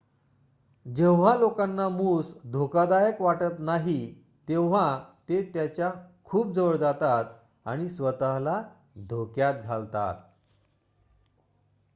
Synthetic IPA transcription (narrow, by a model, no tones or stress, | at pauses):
d͡ʑẽwʋ̤alokanːamuːsd̪ʱokad̪ajəkʋaʈət̪naɦi | t̪eʋʋ̤at̪et̪jat͡ɕjakʰuːp̚d͡zəʋəɭd͡zat̪at̪ | a̰ɽ̃isʋət̪əɦla | d̪ʱokjat̪̚ɡʱalt̪a̰t̪̚